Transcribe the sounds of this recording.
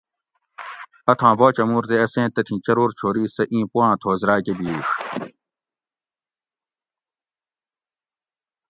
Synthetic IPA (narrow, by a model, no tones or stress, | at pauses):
ɐt̪ʰãːboːt͡ɕɐmuːɾt̪eɐsẽːt̪ɐt̪ʰĩːt͡ɕɐɾoːɾt͡ɕʰoːɾiːsɐʔĩːpuãːt̪ʰoːzɾaːkebiːʂ